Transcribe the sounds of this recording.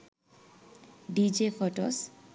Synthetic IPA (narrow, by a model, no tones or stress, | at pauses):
ɖid͡ʒefʰɔʈɔs